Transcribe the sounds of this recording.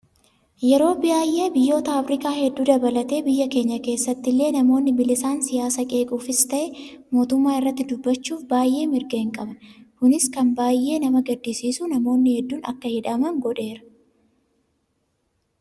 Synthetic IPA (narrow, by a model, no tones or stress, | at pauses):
jɛɾo̞ːbɪjaːjʔːe̞ːbɪjːo̞ːt̪ɐːfɾɪkaːhɛd̪ːuːd̪ɐbɐlɐt̪e̞ːbɪjːɐke̞ːɲːɐke̞ːsːɐt̪ːɪlːe̞ːnɐmo̞ːnːɪbɪlɪsaːnsɪjaːsɐkʼe̞ːkʼuːfɪst̪ɐʔɛ | mo̞ːt̪ʊmːaːɪrːɐt̪ːɪd̪ʊbːɐt͡ʃːuːfbaːjʔe̞ːmɪɾɡɐhɪŋkʼɐbɐnkʊnɪskɐnbaːjʔe̞ːnɐmɐɡɐd̪ːisiːsuːnɐmo̞ːnːɪhɛd̪ːuːnɐ̰kːɐhɪᶑɐmɐŋɡɔᶑe̞ːɾɐ̥